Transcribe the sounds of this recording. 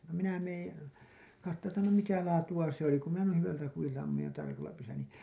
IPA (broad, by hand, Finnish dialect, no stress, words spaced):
no minæ meːn̞ kɑtːoː tːæ no mitæ lɑːtuɑ se oli ku minæ nuin̞ hyʋæltæ kujiltɑ ɑmːuj jɑ tɑrkɑlːɑ pysːylːæ niˑ